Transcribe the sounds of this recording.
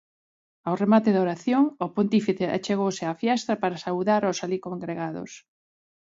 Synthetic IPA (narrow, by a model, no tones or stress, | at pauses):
awremat̪eðoɾaθjoŋʊpont̪ifiθeʔa̰t͡ʃeɣowsɪafjɛst̪ɐpaɾasawðaɾosalikoŋɡɾeɣaðʊ̰s